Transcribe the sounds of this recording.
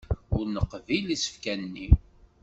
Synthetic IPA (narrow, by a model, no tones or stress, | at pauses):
ʊɾnəqːvilisə̥fkænːi